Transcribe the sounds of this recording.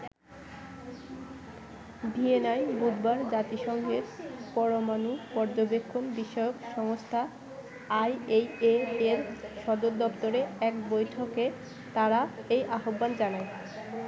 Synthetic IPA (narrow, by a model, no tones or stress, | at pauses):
bienajbud̪baɾd͡ʑat̪iʃɔŋɡʱeɾpɔɾomanupɔɾd͡ʑobekʰːombiʃɔjokʃɔŋost̪ʰa | ajejeeɾʃɔd̪oɾd̪ɔpt̪oɾeɛkbojʈʰoke | t̪aɾaejʔaɦobːand͡ʑanae